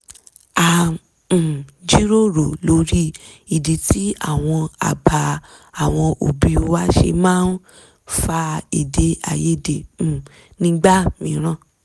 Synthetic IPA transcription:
ã˨ | d͡ʒi˦ɾo˦˨ɾo˨lo˧˦ɾi˦ | i˨de˨ti˦a˦˨w̃ɔ̃˧a̰˨ba˨˧ | a˨w̃ɔ̃˧ʔo̰˨bi˧˦˧wa˦ʃḛ˧mãː˦n | fa˧i˨de˨˦a̰˨je˦dẽ˨ | nĩ˧˦ɡ͡ba˦mĩ˨˦ɾ̃ã˦˨

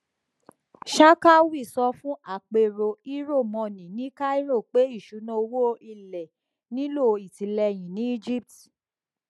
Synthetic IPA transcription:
ʃa˦ka˦wi˦˨sɔ˧˦fũ˦ʔa˦˨k͡pe˨ɾo˧i˦ɾo˦˨mɔ̃˧˨nĩ˨nĩ˦ka˦i˦ɾo˦˨k͡pe˨˦i˦˨ʃu˨˦nɔ̃˧o˧wo˦ʔi˦˨lɛ˨ | nĩ˦lo˦˨i˨ti˨˦lɛ˧j̃ĩ˨nĩ˨˦i˦d͡ʒi˦p̚ti˨

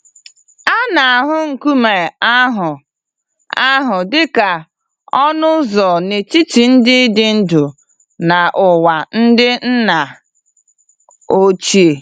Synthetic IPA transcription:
a˦na˨a˨ɦʊ˦ŋ̩˨ku˦me˨a˦ɦʊ˨ | a˦ɦʊ˨dɪ˦ka˨ | ɔ˦nʊ˦zɔ˨ne˨t͡ʃi˦ti˨n̩˦dɪ˦dɪ˦n̩˦dʊ˨ | na˨ʔʊ˨wa˨n̩˦dɪ˦n̩˦na˨ | o˦t͡ʃi˦e˨

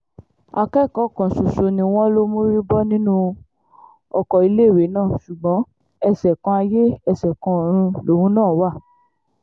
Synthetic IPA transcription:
a˧kɛ˦˨kɔ̃˨˦˨kɔ̃˨so˨so˧nĩ˧w̃ɔ̃˦lo˦mo˦ɾi˦bɔ˦nĩ˦nũ˦ | ɔ˧kɔ˨i˧le˦˨we˨˦nãː˦˨su˨ɡ͡bɔ̃˨˦ | ɛ˧sɛ˨kɔ̃˧a˧je˦ɛ˧˨sɛ˨kɔ̃˧˦˨ɾ̃ũ˧lo˨˦hũ˨˦nãː˦˨˦wa˦˨

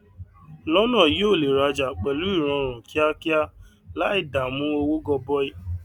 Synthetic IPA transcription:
lɔ˦nɔ̃˦˨ji˦o˦˨le˨ɾa˧d͡ʒa˨k͡pɛ˨lu˦i˦˨ɾ̃ɔ̃˧ɾ̃ʊ̃˨kʰi˦a˦ki˦a˦ | la˦i˦˨da˨mũ˦o˧wo˦ɡɔ˧bɔ˦i˦

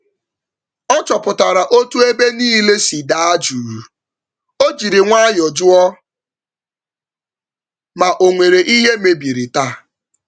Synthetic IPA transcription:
ɔ˦t͡ʃɔ˨pʊ˨ta˨ɾa˨ʔo˦tu˦e˦be˦niː˦le˦si˨da˨a˦d͡ʒu˨ɾu˨ | o˦d͡ʒi˨ɾi˨ŋʷa˦jɔ˨d͡ʒʊ˦ɔ˦ | ma˨ʔo˨ŋʷe˨ɾe˨ʔi˦ɦe˦me˨bi˨ɾi˨ta˦

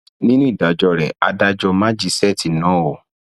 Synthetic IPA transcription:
nĩ˦nũ˦i˦˨da˨d͡ʒɔ˧ɾɛ˨a̰˧da˧d͡ʒɔ˧mã˦d͡ʒi˦sɛ˦˨ti˨nã˨˦wɔ˨

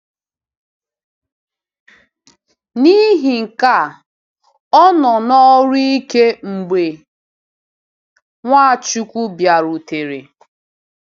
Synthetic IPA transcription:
ni˦ɦi˨ŋ̩˨ka˦˨ | ɔ˦nɔ˨nɔ˦ɾi˦i˦ke˦ŋ͡m̩˨ɡ͡be˨ | ŋʷa˦˨t͡ʃu˦kʷu˦bja˨ɾu˨te˨ɾḛ˨

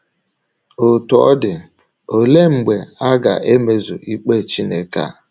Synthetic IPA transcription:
o˨tɔ˨ɔ̰˦dɪ˨ | o˨le˦ŋ͡m̩˨ɡ͡be˨a˦ɡa̰˨ʔe˦me˨zṵ˨ʔi˦k͡pe˦˨t͡ʃi˦ne˨ka̰˦˨

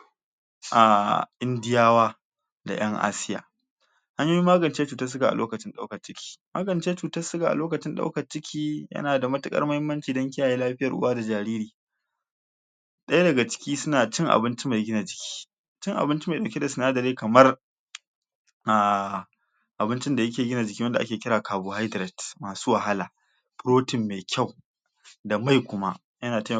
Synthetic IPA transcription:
ʔa˨ʔɪ˦ndɪ˦jaː˦waː˦ | da̰˨j̰ɐ˦ŋʔa̰ː˦sɪ˦ja̰ː˨ | ha˦ɲjoː˦ji˦mːaː˦ɡɐ˨nt͡ʃeː˦t͡ʃuː˨tɐ˦s̬ʊ˦ɡa˨a̰˨loː˦kɐ˨t͡ʃɪ˦nɗa˦wkɐ˨t͡ʃɪ˦kʲʰi̥ː˦maː˦ɡɐ˨nt͡ʃeː˦t͡ʃuː˨tɐ˦sʊ˦ɡa˨ʔa̰˨loː˦kɐ˨t͡ʃɪ˦nɗa̰˦wkɐ˨t͡ʃɪ˦kʲʰiː˦jɐ̰˦naː˨da˨mɐ˦tʊ˨kʼɐ̰˦rmɐ˦hɪ˦mːɐ˦nt͡ʃiː˨dɐ˦ŋk̬ʲɪ˦ja˨jeː˦laː˦ɸɪ˦jɐ˨ʔʊ̰˦waː˦da˨d͡ʒaː˨ɾiː˦ɾiː˨ | ɗɐ˦ja˦dɐ˨ɡa˨t͡ʃɪ̥˦kʲiː˦sʊ˦naː˨t͡ʃɪ˦ŋʔa̰˨bɪ˦nt͡ʃi˦ma˨jɡʲɪ˦naː˨d͡ʒɪ˨kʲi̥ː˦ | t͡ʃɪ˦ŋʔa̰˨bɪ˦nt͡ʃi˦ma˨jɗɐ˨wkʲe˦da˨sʊ˨naː˦dɐ˨ɾeː˦kɐ˨mɐ˦r | ʔaː˨ | ʔa˨bɪ˦nt͡ʃɪ˦nda˨jɐ˦kʲeː˨ɡʲɪ˦naː˨d͡ʒɪ˨kʲiː˦wɐ˦nda˨ʔa˦kʲeː˨kʲɪ˦ɾaː˨kaː˨boː˨ha˦jdɾɛ˨tmaː˨suː˦wa˨ɦa˦la˨ | ɸɾoː˦tɪ˨mːeː˨kʲa˦˨w | da˨ma˦˨jkʷʊ˦ma̰˦ʔ | jɐ˦naː˨ta˦

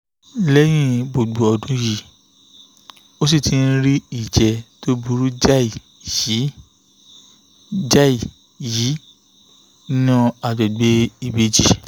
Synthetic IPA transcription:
lɛ˦j̃ĩ˦bo˨ɡ͡bo˨ɔ˧dũ˨˦ji˨ | o˦s̬i˦˨tĩ˧n̩˦ɾi˦i˦˨d͡ʒɛ˨˧to˦bu˧ɾu˦d͡ʒa˦i˨ | ji˨˦ | d͡ʒa˦i˨ | ji˨˦ | nã˦a˧˨d͡ʒɛ˨ɡ͡be˦i˧˨be˨˦d͡ʒi˦˨

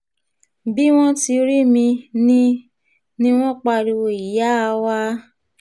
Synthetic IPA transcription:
bi˦w̃ɔ̃˦ti˧ɾi˦mĩ˧nĩ˦ | nĩ˦w̃ɔ̃˦k͡pa˧ɾi˧wo˧˨i˨ja˦˧wa˦

